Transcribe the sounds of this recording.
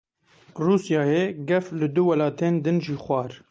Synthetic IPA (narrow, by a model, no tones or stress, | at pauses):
ruːsjɑːjeɡɛflɪd̪ʊwɛlɑːt̪eːnd̪ɨnʒiːxʷɑːɾ